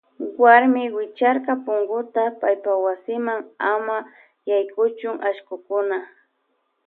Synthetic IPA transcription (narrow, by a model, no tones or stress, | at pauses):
waɾmɪwɪt͡ʃaɾkapʊŋɡʊt̪apajpawasɪmaŋama | jajkʊt͡ʃʊŋʔaʃkʊkʊna